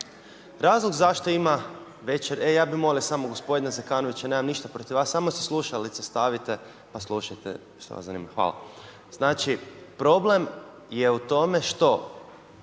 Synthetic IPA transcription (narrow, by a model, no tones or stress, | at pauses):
ɾaːzlˠoɡzaʃt̪o̞ima | ʋe̞t͡ʃeɾejaːbimo̞liosamoɡo̞spo̞d̪inazekaːno̞ʋit͡ɕane̞ːmamniʃt̪apɾo̞t̪iʋaːsːamose̥slˠuʃalit̪sest̪aʋit̪e̞ | paslˠuʃajt̪ḛ | sḛa̰szanḭːmaxʋa̰la̰ | z̥naːt͡ʃipɾo̞ble̞m | jeut̪o̞me̞ʃt̪o̞